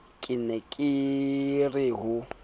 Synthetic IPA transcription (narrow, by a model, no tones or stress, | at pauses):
kʼɪnɛkʼɪ | rɪɦʊ